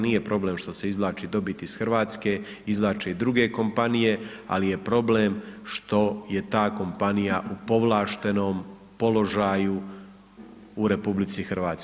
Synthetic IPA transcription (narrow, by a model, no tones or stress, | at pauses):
niːje̞pɾo̞ble̞ːmʃt̪o̞se̞izlˠaːt͡ʃid̪o̞bit̪isxr̩ʋaːt̪ske̞ | izlˠaːt͡ʃeid̪ɾuɡe̞ko̞mpanije̞a̰lije̞pɾo̞ble̞ːmʃt̪o̞je̞t̪aːko̞mpanijaʔupo̞ʋlˠaːʃt̪e̞no̞ːm | po̞lo̞ʒaːju | ɾe̞publit̪sixrʋaːt̪s